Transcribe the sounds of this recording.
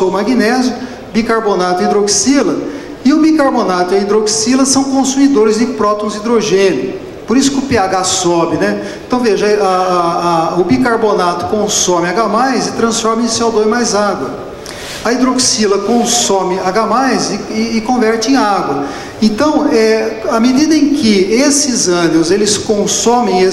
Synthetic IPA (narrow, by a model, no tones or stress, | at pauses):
omaɡinɛzjʊ | bikaɾbonat̪ʊɪid̪ɾoksilɐ | ɪʊbikaɾbonat̪ʊɪɐid̪ɾoksilɐsɐ̃w̃kõsumid̪oɾɪzd͡ʒɪpɾɔt̪õw̃zid̪ɾoʒẽnʊ | poɾisʊ̥kɪʊpeaɡasɔbɪnɛẽt̪ɐ̃w̃veʒɐa | ʊbikaɾbonat̪ʊ̥kõsõmɪaɡamajzɪt̪ɾɐ̃sfɔɾmɪẽsawd̪õɪ̃majzaɡwɐ | ɐid̪ɾoksilɐkõsomɪaɡamajzɪɪːkõvɛɾt͡ʃɪẽj̃aɡwɐ | ẽnt̪ɐ̃w̃ɛɐmed̪id̪ɐẽkɪesɪzɐ̃ɡiʊzelɪskõsõmẽj̃e